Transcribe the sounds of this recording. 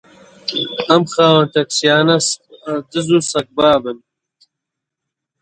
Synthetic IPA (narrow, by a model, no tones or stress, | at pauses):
ɐmxaːwɐnt̪ɐksjaːnɐsd̪ɨzusɐk̚baːbɨn